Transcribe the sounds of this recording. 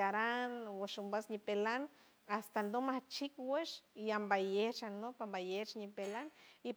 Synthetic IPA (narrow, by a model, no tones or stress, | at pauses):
aɾanwaʃumbasɲipelan | ast̪and̪omaht͡ʃikweʃiambajeht͡ʃanopambajeht͡ʃɲipelani